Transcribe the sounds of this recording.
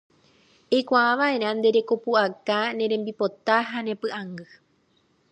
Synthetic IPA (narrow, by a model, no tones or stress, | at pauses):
ekʷaʔãʋaʔe̞ɾãnd̪e̞ɾe̞ko̞puakanẽ̞ɾẽ̞mbipo̞t̪aɦanẽ̞pɨʔãŋɡɨ